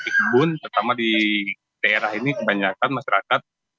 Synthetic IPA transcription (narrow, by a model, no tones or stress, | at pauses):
ik̚bʊnp̪ərt̪amadi | daeɾaɦinikəbaɲakanmaʃaɾakat̪̚